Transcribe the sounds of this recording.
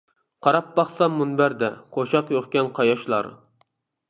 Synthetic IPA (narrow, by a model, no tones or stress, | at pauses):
qʰɑɾɑpbɑχsɑmːunbæɾd̪ɛqʰoʃɑqjoχkʲɛnqʰɑjɑʃlˠɑ̰ɾ